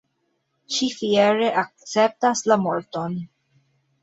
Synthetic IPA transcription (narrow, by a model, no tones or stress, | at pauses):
ʃifieɾe̞ʔak̚t͡sep̚taslamoɾto̞n